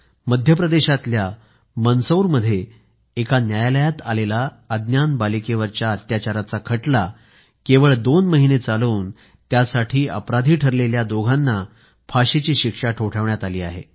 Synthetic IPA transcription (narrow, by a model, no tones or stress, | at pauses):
məd̪ʱjəpɾəd̪eɕat̪lja | mənsəwɾməd̪ʱːje | ekanjajaləjat̪alela | əd̪njanbalikeʋəɾt͡ɕjaət̪jat͡ɕaɾat͡sakʰəʈla | keʋəɭd̪onməɦinet͡saləuːn | t̪jasaʈʰiːəpɾad̪ʱiːʈʰəɾleljad̪oɡʱãnːa | pʰaɕit͡ɕiːɕikʂaʈʰoʈʰəʋɳjat̪aliːa̰ɦḛ